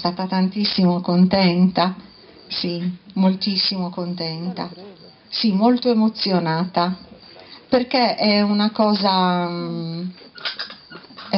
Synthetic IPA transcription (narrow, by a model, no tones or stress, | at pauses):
st̪aːt̪at̪ant̪isːimokont̪ɛnt̪a | simolt̪isːimokont̪ɛnt̪a̰ | simolt̪oemot̪sːjonaːt̪a | perkeɛunakɔːza